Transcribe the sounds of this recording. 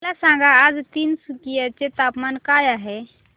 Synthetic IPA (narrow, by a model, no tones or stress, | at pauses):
lasãɡʱaːd͡ʒt̪insukijat͡ʃet̪apmankajaɦe